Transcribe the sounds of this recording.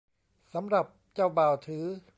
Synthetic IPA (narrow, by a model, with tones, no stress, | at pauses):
sa˩˦mɾa˨˩p̚t͡ɕaː˥˩wbaː˨˩wt̪ʰɯː˩˦